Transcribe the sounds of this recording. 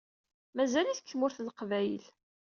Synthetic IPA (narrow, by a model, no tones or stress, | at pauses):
mæzæliθkθmʊɾθlqvæjə̰l